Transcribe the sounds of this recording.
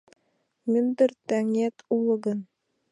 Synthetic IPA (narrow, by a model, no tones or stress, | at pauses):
mɘ̆nd̪ɘ̆ɾt̪æŋjæt̪ulˠɤ̆ɡɤn